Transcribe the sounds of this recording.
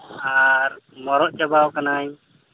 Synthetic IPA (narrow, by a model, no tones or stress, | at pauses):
aɾmɔɾɔʔt͡ʃabawkanaj